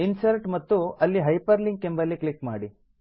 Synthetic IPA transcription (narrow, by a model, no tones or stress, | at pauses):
insɐɾʈmɐt̪ːuɐlːiɦɐjpɐɾliŋɡ̚kembɐlːiklikma̰ːɽi